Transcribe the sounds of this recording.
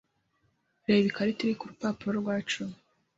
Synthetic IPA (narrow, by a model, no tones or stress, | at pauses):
ɾeːβikaɾitiɾikuɾupaːpuɾoɾɡwaːt͡ʃum